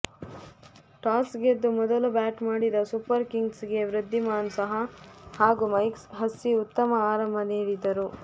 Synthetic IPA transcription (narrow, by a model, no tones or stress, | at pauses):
ʈaːsɡed̪ːumɔd̪ɐlubaːʈmaːɽid̪ɐsupɐɾkiŋɡsɡe̞ʋɾid̪ʱːimaːnsɐɦɐhaːɡumɐjksɦɐsːiut̪ːɐmɐaːɾɐmbʱɐniːɽid̪ɐɾu